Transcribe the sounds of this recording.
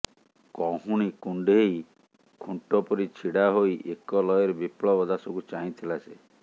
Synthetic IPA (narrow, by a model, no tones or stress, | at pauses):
kɔɦuɽ̃ikuɳɖeej | kʰuɳʈɔpɔɾit͡ʃʰiɽaɦojʔekɔlɔjeɾebipɭɔbɔd̪asɔbut͡ʃaɦĩt̪ʰilase